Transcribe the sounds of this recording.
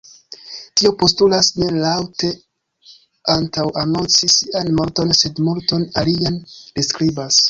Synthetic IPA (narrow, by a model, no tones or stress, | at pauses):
tio̞po̞stulasne̞lawte̞ | antawano̞nt͡sisianmo̞ɾto̞nse̞dmulto̞naliandeskɾibas